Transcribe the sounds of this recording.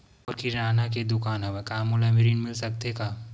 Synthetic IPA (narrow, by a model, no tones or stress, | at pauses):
ɔːɾkiɾɾaːnak̬ed̪ʊkaːnɦɐʋekaːmʊlamɪɾiːnmɪlsɐk̚t̪ekaː